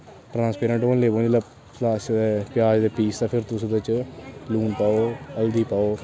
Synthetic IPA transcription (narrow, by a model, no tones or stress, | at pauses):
ʈɾãːnspeːɾə̃ɳʈoːnleːboːnila | pʰlaːʃepjaːd͡ʒd̪eːpiːst̪aːpʰɪɾt̪ʊsũd̪ɪt͡ʃluːnpaːoːəld̪iːpaːoː